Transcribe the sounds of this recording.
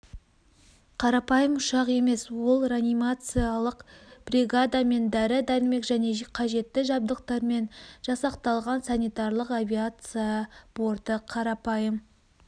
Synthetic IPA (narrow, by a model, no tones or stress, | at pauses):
qʰɑɾɑpɑjəmʊʃɑqe̞me̞swolˠranʲijmat̪sɨjalˠəqb̥rʲiɡad̪ame̞nd̪æɾɪd̪æɾɪme̞kʒæne̞qʰɑʒe̞t̪ːɪʒɑb̚d̪əqt̪ɑɾme̞nʒ̥ɑsɑqt̪ɑlˠʁɑnsanʲijt̪aɾlˠəqavʲiat̪sɨjab̥o̞ɾd̪əqʰɑɾɑpɑjəm